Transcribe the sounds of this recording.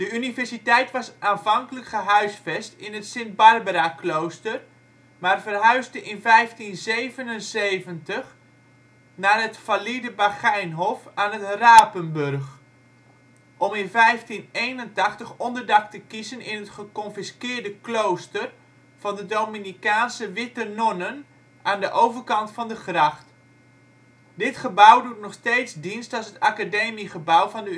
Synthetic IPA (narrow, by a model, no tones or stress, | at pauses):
d̥əynivɛɹsitɛjtʋɑsʔaːnvɑŋkələkχəɦœɥsfɛstɪnɦətsɪnd̚bɑrbəɾaklowstər | maːrvərɦœɥzdəʔɪnvɛjftinzejvənənzejvəntəχ | naːrɦətfalidəbaχɛjnɦɔfaːnɦətraːpənbørχ | ʔɔmɪnvɛjftinejnəntɑχtəχɔndərdɑktəkizənɪnɦətχəkɔnfɪskɪːrdəklowstər | v̥ɑndədowminikaːnsəʋɪtənɔnən | ʔaːndəʔowvərkɑntfɑndəχrɑχt | dɪtχəbɔwdut̚nɔχsteːtsdinstɔsətakadeːmiχəbawvɑndə